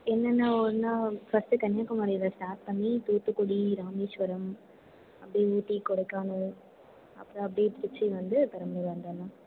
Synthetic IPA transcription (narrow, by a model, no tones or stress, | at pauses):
ɛnːɐnːaɔɾnaːfɐsʈɯkɐnjaːkːɐmaːɾiɪlːɐsʈaːɾʈ̚pɐɳːit̪uːt̪ːɯkːɔɽiɾaːmeːʃʋɐɾɐm | ɐpːɐɽiuːʈːikɔɽɐɪkːaːnũ | ɐ̰pːɯɾõɐpːɐɽit̪ɪɾɪt͡ʃːiʋɐnd̪ɯp̪ɐɾɐmeʋɐnd̪ɐnãː